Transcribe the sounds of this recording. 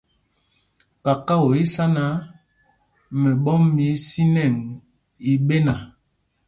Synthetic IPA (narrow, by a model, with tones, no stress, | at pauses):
ka˨ka˦wo˨i˦sa˦na˦ | mɛ˨ɓɔ˦mːi˨˦si˦nɛ˦˨ŋ | i˨ɓe˦na˨